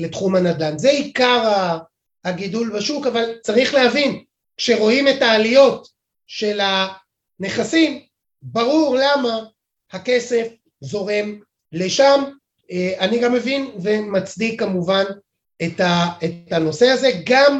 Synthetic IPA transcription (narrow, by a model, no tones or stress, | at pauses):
le̞tχumhanadanzeikaʁa | aɡidulbaʃukavalt͡saʁiχlehavin | kʃeʁo̞ime̞taːlijo̞t | ʃe̞la | ne̞χasim | baʁuʁlama | hake̞se̞f | zo̞ʁe̞m | le̞ʃam | eaniɡamːe̞vinve̞mat͡sdikːamuvan | etaetano̞se̞aze̞ɡam